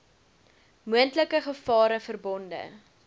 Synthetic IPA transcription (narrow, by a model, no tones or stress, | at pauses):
muəntləkəχəfɑːɾəfərbɔndə̰